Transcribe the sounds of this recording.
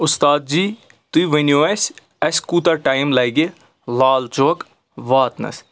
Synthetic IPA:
ʊst̪aːd̪̚d͡ʒiː | t̪uiʋenjoes | ɐskuːt̪ɐɾʈaːjmlɐːɡe | laːlt͡ʃoːk | ʋaːt̪nɐ̰s

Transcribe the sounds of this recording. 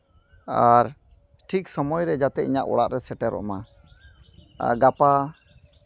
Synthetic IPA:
aɾ | ʈʰiksɔmɔjɾɛd͡ʒat̪ɛʔiɲaʔɔ̰ɽaʔɾɛsɛʈɛɾɔ̰ʔma | a̰ɡapa

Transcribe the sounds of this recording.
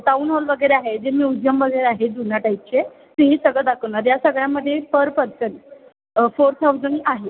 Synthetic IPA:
ʈauːnɦolʋəɡəjɾeaɦed͡ʑemiːud̪jəmʋəɡəjɾeaɦed̪unaʈaj̚t͡ɕe | t̪eɦiːsəɡɭəd̪akʰəwnaɾjasəɡɭjaməd̪ʱːjepəɾpəɾt͡sən | foɾt̪ʰawd͡zənʔaɦe

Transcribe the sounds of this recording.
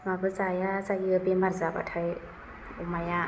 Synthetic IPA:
mabɯzajazajiɯbemaɾzaba̰tʰaj | umaja

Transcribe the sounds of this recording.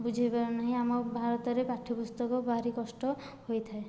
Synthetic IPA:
bud͡ʒʱebaɾnaɦĩamɔbʱaɾɔt̪ɔɾepaʈʰipust̪ɔkɔbaɾikɔsʈɔ | hojt̪ʰae

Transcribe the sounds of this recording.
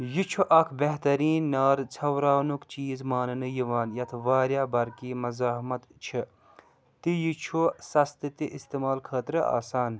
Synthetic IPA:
jit͡ʃʰuʔɐkʰbeɦt̪ɐɾiːnːaːɾt͡sʰɐwɾaːwnukt͡ʃiːzmaːnɨnɨjiʋaːnjɐt̪ʰʋaːɾjaːbɐɾkiːmɐzaːɦmɐt̪t͡ʃʰi | t̪ijit͡ʃʰusɐst̪ɨt̪iʔist̪eːmaːlkʰɐːt̪ɾɨa̰ːsaːn

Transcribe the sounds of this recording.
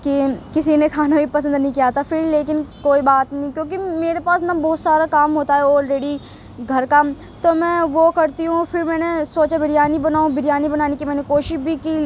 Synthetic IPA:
kikɪsinẽkʰaːnabʱipɐs̬ə̃nd̪nɐɦĩkijaːt̪afɪɾleːkɪnkoːibaːt̪nɐɦĩkjõːk̬imeːɾepaːsnabɔːt̪saːɾakaːmɦoːt̪aɦɛɔːlɾɛːɽi | ɡʱɐɾka | t̪omɛ̃ʋokɐɾt̪iɦũfɪɾmɛ̃ːnesoːt͡ʃabʱɪɽijaːnibɐnaːõbʱɪɽjaːnibɐnaːnekimɛːnekoːʃɪʃbʱiki

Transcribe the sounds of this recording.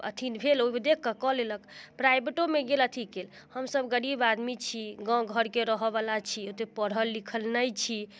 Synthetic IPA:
ə̰t̪ʰinbʱelomed̪ekʰːəkɔleləkpɾajbeʈomeɡelət̪ʰikel | həmsəbɡəɽibad̪mit͡ʃʰiɡɔ̃ɡʱəɾkeɾəɦəbalat͡ʃʰiot̪epəɽəlːikʰəlnəjt͡ʃʰi

